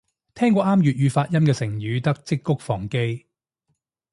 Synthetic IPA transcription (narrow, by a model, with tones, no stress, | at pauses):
t̪ʰɛː˥ŋkʷɔː˨˧aː˥mjyː˨t̚jyː˨˧faː˧t̚jɐ˥mkɛː˧sɪ˨˩ŋjyː˨˧t̪ɐ˥k̚t͡sɪ˥kːʊ˥k̚fɔː˨˩ŋke˥j